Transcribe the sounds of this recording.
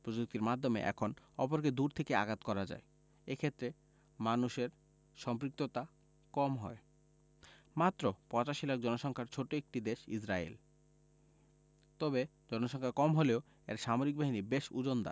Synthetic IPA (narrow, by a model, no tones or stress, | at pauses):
pɾod͡ʑuk̚t̪iɾmad̪ʱːomḛʔɛ̰kʰonɔpoɾked̪uɾt̪ʰekea̰ɡat̪kɔɾad͡ʑa̰e | ekʰet̪ːɾe | manuʃeɾ | ʃɔmpɾik̚t̪ot̪a | kɔmɦɔ̰e | mat̪ːɾopɔ̃t͡ɕaʃilak̚d͡ʑɔnoʃɔŋkʰaɾt͡ɕʰoʈoek̚ʈid̪eʃḭsɾaḛl | t̪ɔbe | d͡ʑɔnoʃɔŋkʰakɔmɦoleo | eɾʃamoɾik̚baɦinibeʃṵd͡ʑond̪a̰